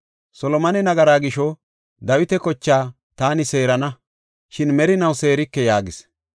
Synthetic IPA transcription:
sɔlɔmɐnɛnɐɡɐɾaːɡɪʃɔ | d̪ɐwɪt̪ɛkɔt͡ʃːaː | t̪aːnɪse̞ːɾɐnɐ | ʃɪnmɛɾɪnɐwse̞ːɾɪkːɛjaːɡɪs

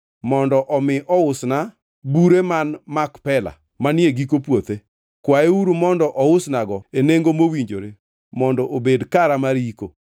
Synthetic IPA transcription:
mɔndɔʔɔmɪʔɔʊsna | buɾemanmakpɛla̰ | manɪeɡikopwot̪e | kwaeuɾumɔndɔʔɔʊsnaɡɔeneŋɡomowiɲd͡ʒo̰ɾe | mɔndɔʔobedkaɾamaɾiko̰

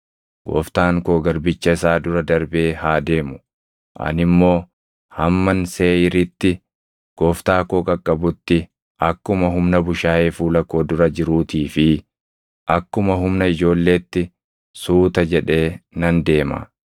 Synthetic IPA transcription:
ɡ̥o̰ːft̪aːŋkoːɡɐɾbɪt͡ʃːɐɪsaːd̪ʊɾɐd̪ɐɾbe̞ːhaːd̪e̞ːmʊ̥ | ʔɐ̰nɪmːo̞ː | hɐmːɐnseːjɪɾɪt̪ːɪ | ɡ̥oːft̪aːkoːkʼɐkʼːɐbʊt̪ːɪ | ʔɐkːʊmɐɦʊmnɐbʊʃaːʔeːfuːlɐkːoːd̪ʊɾɐd͡ʒɪɾuːt̪iːfɪ | ʔɐkːʊmɐɦʊmnɐɪd͡ʒo̞ːlːe̞ːt̪ːɪ | suːt̪ɐd͡ʒɛᶑe̞ːnɐnd̪e̞ːma̰

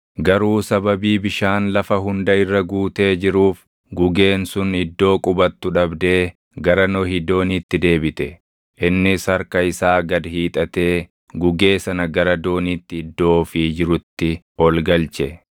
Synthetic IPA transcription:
ɡɐɾuːsɐbɐbiːbɪʃaːnlɐfɐɦʊnd̪ɐɪrːɐɡuːt̪e̞ːd͡ʒɪɾuːf | ɡʊɡe̞ːnsʊnɪd̪ːo̞ːkʼʊbɐt̪ːʊᶑɐbd̪e̞ː | ɡɐɾɐnɔhɪd̪ːo̞ːnit̪ːɪd̪e̞ːbɪt̪ɛ | ʔɪnːɪsɐɾkɐɪsaːɡɐd̪hiːt̪ʼɐt̪e̞ː | ɡʊɡe̞ːsɐnɐɡɐɾɐd̪o̞ːnit̪ːɪɪd̪ːo̞ːfɪd͡ʒɪɾʊt̪ːɪ | ɔlɡɐlt͡ʃɛ

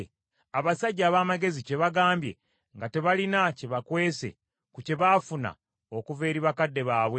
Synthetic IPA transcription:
aβasaɟːaːβaːmaɡe̞zice̞βaɡaːmbje̞̰ | ŋɡate̞βalinaceβakwe̞ːse̞̰ | kuce̞βaːfuna̰ | okuve̞ːɾiβakadːe̞βaːβwe

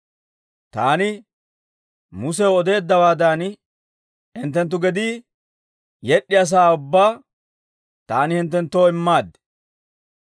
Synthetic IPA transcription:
t̪aːnɪ | mʊs̬ɛwɔd̪e̞ːd̪ːɐwaːd̪an | ɪnt̪̬ːɛnt̪ːʊɡɛd̪iː | jɛɗːɪjɐs̬aːʊbːaː | t̪aːnɪhɪnt̪̬ːɛnt̪ːoːɪmːaːd̪ːɛ̥

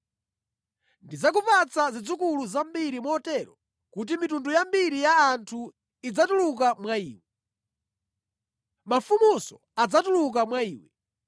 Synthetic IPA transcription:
ndizak̬upat͡sazid͡zukuluzambiɾimɔːtɛɾɔ | kut̬imitundujambiɾijaːntʰu | id͡zatuluk̬amwaiːwɛ | mafumusɔ | ad͡zatuluk̬amwaiːwɛ

